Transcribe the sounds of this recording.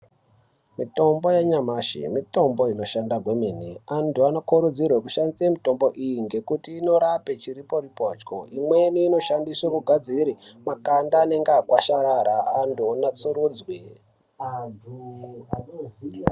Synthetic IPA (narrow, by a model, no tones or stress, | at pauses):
mito̞mbo̞jaɲamaːʃḭmito̞mbo̞ino̞ʃandaɡʱwemeniantuanokoɾud͡zirwekuʃandisemito̞mbo̞ʔijiŋɡe̞kutiːno̞ɾape̞t͡ʃiɾipo̞ɾipoːt͡ʃko̰ʔimwe̞niːno̞ʃandisakuɡʱad͡ziɾimakandaːne̞ŋɡakwaʃaɾaɾaːndonat͡suɾuːd͡zwe